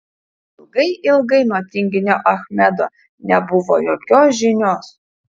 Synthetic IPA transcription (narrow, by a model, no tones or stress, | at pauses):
ɪlˠɡɐɪʔɪlˠɡɐɪnot̪ʲɪŋʲɡʲɪnʲoʔɐxmʲɛd̪o | nʲɛbʊʋo̰joːkʲoːsʒʲɪnʲoːs